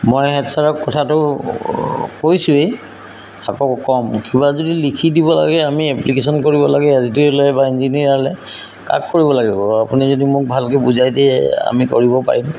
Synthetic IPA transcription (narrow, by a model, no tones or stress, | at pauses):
mojɦɛtsaɹɔkːɔtʰatʊ | kojsʊej | akɔkɔmkibazodilikʰidibɔla̰ɡɛamiɛplikes̬ɔnkoɹibɔlaɡɛaztilɔjbainziniiɹalɛ | ka̰kkːoɹibɔlaɡibɔapunizodimʊk̚bʱalkɛbuzajdɛa̰mikoɹibɔpa̰ɹim